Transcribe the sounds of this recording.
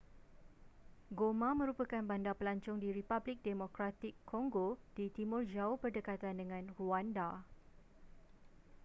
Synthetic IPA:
ɡomãmə̃ɾupəkanbandapəlaɲt͡ʃʊŋdiɾipablɪk̚demõkɾat̪ɪkʰːɔŋɡod̥it̪imʊrd͡ʒaʊhbərdəkat̪andəŋãnruanda

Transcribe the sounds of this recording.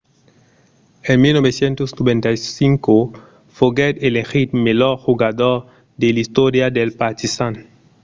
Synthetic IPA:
enmilnobesjẽnt̪osnobẽnt̪ajsiŋko | foɡed̪elexit̪meloɾxuɡad̪oɾ | d̪elist̪oɾjad̪elpaɾt̪isan

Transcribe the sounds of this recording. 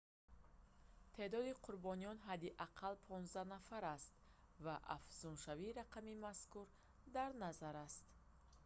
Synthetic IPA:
t̪ʰe̞d̪ɔd̪iqʰuɾbɔnijɔnɦad̪iʔaqʰalpʰɔnzd̪anafaɾast̪ | vaʔa̰fz̥unʃaviːɾaqʰamimaskuɾ | d̪aɾnazaɾast̪

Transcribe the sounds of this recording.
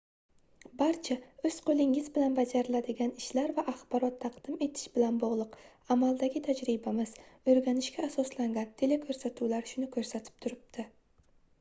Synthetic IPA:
baɾt͡ʃʰaɵz̥qʰolˠɪŋɪzbɪlanbad͡ʒaɾɪlad̪ɪɡʲanɪʃlaɾvaʔaχbɒɾɒt̪ʰːɑqd̪ɪme̞t̪ʰɪ̥ʃbɪlanbɒʁlˠʊq | amalˠd̪aɡʲɪt̪ʰad͡ʒɾɪbamɪzɵɾɡʲanɪʃkʲaːsɒslaŋɡʲant̪ʰelekʲʰɵɾsat̪ʰuwlaɾʃʊnɪkʰɵɾsat̪ʰɪ̥p̚t̪ʰʊɾɪb̚t̪ʰɪ

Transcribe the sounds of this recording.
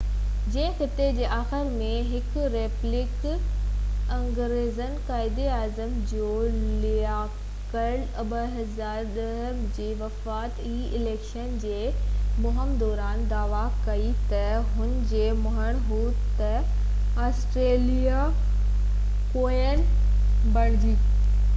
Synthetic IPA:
d͡ʑɐ̃ɦɪ̃xɪt̪ed͡ʑeːʔaːxɪɾmẽɦɪkɾeːplɪk | ɐ̃ŋɡɾeːzənkaːɪd̪iaːzəmd͡ʑoːlia | kɐɖɐbəɦɐzaːɾɗɐɦəmd͡ʑeːʋɐfaːt̪iːɪleːkʃənd͡ʑeːmʊɦəmd̪ɔːɾaːnd̪aːʋakɐit̪ɐɦʊnɪ̆d͡ʑeːmɐɦəɽ̃ɦuː | t̪ɐ | aːsʈɾeːlia | koːjənɪ̆ | bɐɽ̃d͡ʑiː

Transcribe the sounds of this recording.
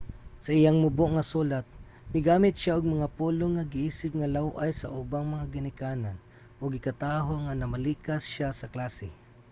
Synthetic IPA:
sɐʔɪjaŋmʊboʔŋasuːlat̪̚ | mɪɡaːmɪt̪̚ʃaʔʊɡ̚mɐŋapuːloŋːaɡɪʔiːsɪp̚ŋalawʔajsa̰ʔʊbaŋmɐŋaɡɪnɪkaːnan | ʔʊɡɪkat̪aːɦoŋanɐmaliːkasʃasɐklaːsɪ̰

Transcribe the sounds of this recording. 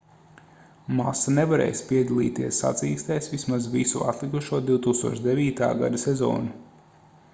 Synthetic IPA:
masanevaɾɛ̰ːjspiɛd̪alˠḭːt̪iɛsːa̰t̪siːst̪ɛjsvismazvisuʔa̰t̪lˠikuʃuɔd̪iwt̪uːkst̪uɔt͡ʃd̪eviːt̪a̰ːɡa̰d̪asɛzɔ̰ːnu

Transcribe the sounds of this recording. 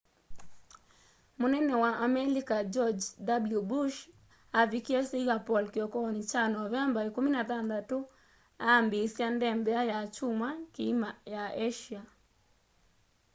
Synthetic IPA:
monɛnɛwaʔamɛlikad͡ʒɔd͡ʒdabljubuʃ | avikiɛsiɣapɔlkiɔkɔnit͡ʃanɔvɛmbaekuminat̪and̪atu | aːmbisjandɛmbɛajat͡ʃumwakimajaeʃia

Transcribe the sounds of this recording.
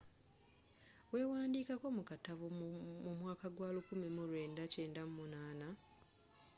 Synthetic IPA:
we̞ːwaːndiːkako̞mukataβumumwaːkaɡwaːlukumimulwe̞ːndace̞ːndamumunaːna

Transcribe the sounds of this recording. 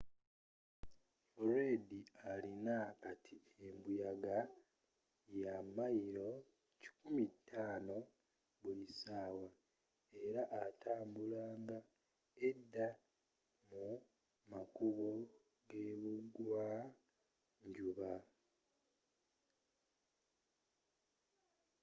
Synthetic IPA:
oɾwe̞ːdialinakatʰi | embujaɡa | jamajiɾo̞ | ci̥kumitʰːaːno̞ | βulisaːwa | e̞ɾaʔːtʰaːmbulaːŋɡa | edːa | mu | makuβo | ɡe̞ːβuɡwa | ɲɟuβa

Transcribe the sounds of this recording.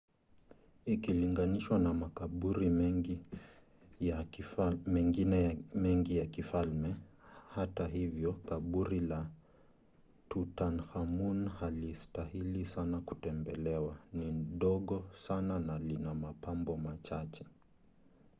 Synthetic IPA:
ikiliŋɡaniʃwanamakaɓuɾimɛŋɡi | a | mɛŋɡinɛmɛŋɡijakifalmɛhataɦivjɔkaɓuɾila | tutanxamunhalistahilisanaku̥tɛmbɛlɛwaniɗɔɠɔsananalinamapambɔmat͡ʃat͡ʃɛ̥

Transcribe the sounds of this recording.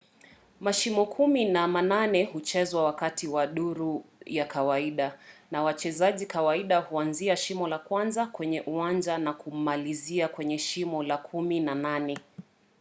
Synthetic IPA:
maʃimɔkʰuminamananɛhut͡ʃɛzwawakatiwaɗuɾujakawaiɗanawat͡ʃɛzaʄikawaiɗahuanziaʃimɔlakwanzakwɛɲɛʔuwand͡ʒanakum̩maliziakwɛɲɛʃimɔlakʰuminananɛ

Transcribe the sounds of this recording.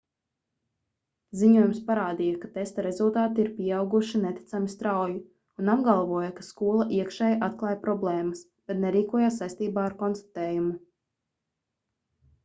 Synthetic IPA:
ziɲuɔjumspaɾaːd̪ijakat̪est̪aɾezulˠt̪aːt̪iiɾpʲiɛawɡuʃinet̪ʲi̥t̪samist̪ɾawju | unabɡalˠʋuɔjakaskuɔlˠaʔiɛkʃɛːjʔat̪klˠɑːjpɾɔblˠɛːmɐs | b̥ɛt̪nɛɾiːkuɔjaːsːajst̪iːbaːaɾkɔnst̪ḁt̪ɛːjumu

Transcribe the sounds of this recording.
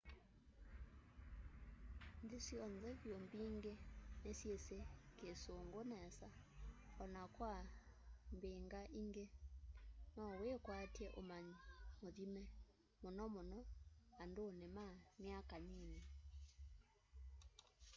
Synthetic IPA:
ndisiɔnzɛβjombiŋɡenesjesekesoŋɡonɛsa | ɔnakwa | mbeŋɡaʔiŋɡe | nɔwekwatjɛʔomaɲmoðimɛ | monɔmonɔandonemamjakaɲiɲe

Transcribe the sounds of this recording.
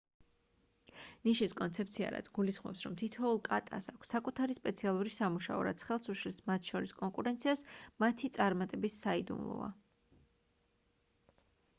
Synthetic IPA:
niʃiskʼɔnt̪sʰɛp̚ʰt̪sʰia̰ɾa̰t̪sʰɡulisχmɔ̰psɾɔmt̪ʰit̪ʰɔulˠkʼat̪ʼasakʷʰsːakʼut̪ʰaɾispʼɛt̪sʰialˠuɾisamuʃa̰ɔɾa̰t̪sʰχɛlˠsuʃlismat̪ʰʃɔɾiskʼɔŋkʼuɾɛnt̪sʰiasmat̪ʰit̪sʼaɾmat̪ʼɛbisːaid̪ṵmlˠɔ̰va̰

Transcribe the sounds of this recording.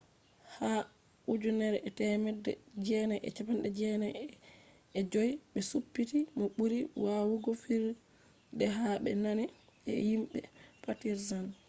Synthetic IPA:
ha | ud͡ʒunɛɾɛʔɛtɛmɛdɛ̰d͡ʒɛnɛʔɛ̰t͡ʃapandɛd͡ʒɛnɛ | ɛd͡ʒojɓɛsupːitimɔɓuɾiwawuɡɔfiɾ | dɛɦaɓɛ̰nani | ɛ̰himɓɛ̰patiɾzan

